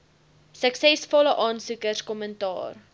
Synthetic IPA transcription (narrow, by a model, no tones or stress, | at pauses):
səksɛsfɔləʔɑːnsukərskɔməntɑ̰ːr